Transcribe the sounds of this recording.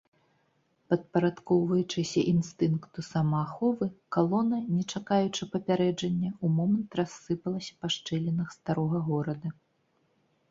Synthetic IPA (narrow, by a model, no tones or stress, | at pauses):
pɐt̪̚pɐɾat̪kɔwvɐjut͡ʂɨsʲɐʔinst̪ɨnkt̪usamɐːxɔvɨkalˠɔnɐnʲɛt͡ʂakajut͡ʂɐpɐpʲaɾɛd͡ʐɐnʲːɐumɔmɐnt̪rasːɨpɐlˠɐsʲɐ̥paʂt͡ʂɛlʲɛnɐxst̪aɾɔɣɐɣɔɾɐd̪ɐ